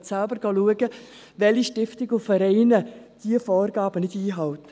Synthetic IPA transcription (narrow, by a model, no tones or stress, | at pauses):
sælbəɾɡ̥ɑːluəɡə | ʋɛliʃtɪftɪɡʊfəɾɛɪnəd̥iəfɔːrɡɑːb̥ənɪdiːɦɑwtə